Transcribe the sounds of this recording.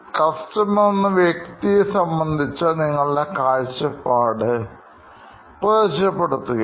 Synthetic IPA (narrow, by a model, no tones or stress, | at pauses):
kɐstɐmɐonːɨʋjɐk̚t̪ijɐsɐmbɐnd̪ʱit͡ɕːɐniŋːɐɭilekaːɻt͡ɕːɐpːaːɽɨ | pɐðɐt͡ɕːɐpːeɽut̪ːuɣɐ